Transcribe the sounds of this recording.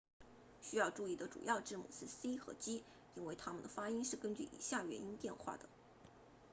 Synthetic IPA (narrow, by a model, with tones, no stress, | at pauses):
ɕy˥jɑ˥˧ʊʈ͡ʂu˥˧i˥˩d̪ə˩ʈ͡ʂṵ˨˩jɑ˥˧ʊʈ͡ʂɻ̩˥˩mṵ˥˩s̩˥˩si˥xɤ̰˧˥t͡ɕi˥ | i˥nwe˥˧˩ɪt̪ʰa˥mə˨nd̪ə˩fa˥i˥nʂɻ̩˥˩kə˥nt͡ɕy̰˥˩ʔḭ˨˩ɕja˥˩ɥɛ˧˥ni˥nt̪jɛ˥˧nxwa̰˥˩d̪ə̰˩